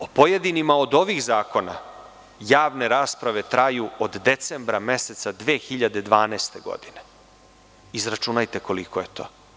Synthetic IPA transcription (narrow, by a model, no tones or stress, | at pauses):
opoje̞d̪inimaod̪o̞ʋixzaːko̞na̰ | jaːʋne̞ɾaːspɾaʋe̞t̪ɾajuod̪ːe̞t̪sembɾame̞se̞t̪sad̪ʋeːxiʎad̪e̞d̪ʋaːnɛst̪e̞ɡo̞̰d̪ine | izɾat͡ʃunajt̪e̞ko̞liko̞je̞t̪o̞̰ː